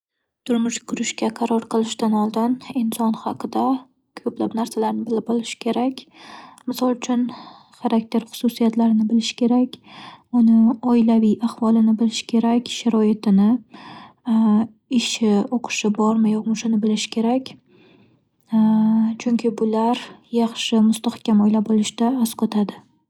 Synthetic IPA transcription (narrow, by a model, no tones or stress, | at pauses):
t̪ʰʊɾmʊʃkʰʊɾɪʃkʲaqʰɑɾɒɾqʰɨlˠɪʃt̪anɒlˠd̪ɪnɪnsɒnhɑqʰɨd̪a | kʰɵpla̰pnaɾsalaɾnɪbɪlɪbɒlˠɪʃɪ̥kʲʰe̞ɾakʲmɪsɒlˠʊt͡ʃʰʊn | χaɾak̚t̪ʰe̞ɾχʊ̥susijat̪laɾɪnɪbɪlɪʃɪ̥kʲʰe̞ɾakʲʊnɪɒɪlavijaχvɒlˠɪnɪbɪlɪʃɪ̥kʲʰe̞ɾakʲʃaɾɒet̪ʰɪnɪ | ɪʃɪoqʰɨ̥ʃɪbɒɾmɪjɒkmʊʃʊnɪbɪlɪʃɪ̥kʲʰe̞ɾakʲ | t͡ʃʰʊŋkʲʰɪbʊlaɾjɑχʃɪmʊst̪ahkʲamojlabolɪʃɪd̪aːsqʰot̪ʰad̪ɪ